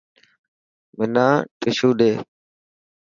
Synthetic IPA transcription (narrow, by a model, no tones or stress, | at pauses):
mɪnaːʈɪʃuːɗeː